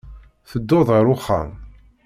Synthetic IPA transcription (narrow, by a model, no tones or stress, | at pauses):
θəd̪ːoðʁəɾʊχːæ̰m